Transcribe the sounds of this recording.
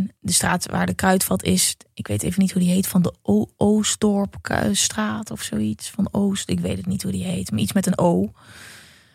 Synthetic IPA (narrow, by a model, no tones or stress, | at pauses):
ndəstraːtʋaːɹdəkrœɥtfɑlˠtʰɪsɪkʋḛjteːvənitɦudiɦejtfɑndəʔoowstɔɹpstraːtɔfsoːitsfɑnowstɪkʋḛjtətnitɦudiɦejtmaɹismɛtənow